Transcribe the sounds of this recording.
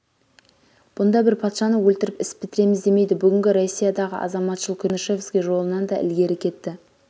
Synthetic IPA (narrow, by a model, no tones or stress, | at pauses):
b̥ʊnd̪ɑbɪɾpʰɑt̪ʃɑnəwɵlt̪ɪɾɪpɪspbɪt̪ɪɾe̞mɪzd̪e̞me̞jd̪ɪbʏɡʲɪŋʲɡʲɪɾo̞sʲːijɑd̪ɑʁə̰ʔɑ̰zɑmɑt̪ʃəlˠkʲʰʏnʃe̞vskʲeʒo̞lˠənɑnd̪ɑʔɪ̰lɡʲe̞ɾɪkʲʰe̞t̪ːɪ